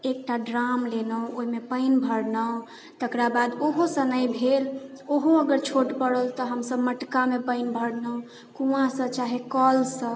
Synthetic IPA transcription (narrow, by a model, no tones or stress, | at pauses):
ek̚ʈaɖɾamlenəwoimepəɪnbʱəɽnə | t̪əkɾabad̪oɦosə̃nəjbʱel | oɦoəɡəɾt͡ʃʰoʈpəɽəlt̪ɔɦəmsəbməʈkamepəɪnbʱəɽnə | kũãsə̃t͡ʃaɦekɔlsə̃